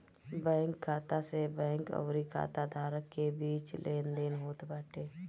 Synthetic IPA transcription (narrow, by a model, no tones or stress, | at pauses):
bɛ̃ːŋkʰːaːt̪asebɛ̃ːkə̰ːɾikʰa̰ːt̪ad̪ʱaːɾəkːebiːt͡ʃlʔeːnd̪eːnɦoːt̪baːʈʰeː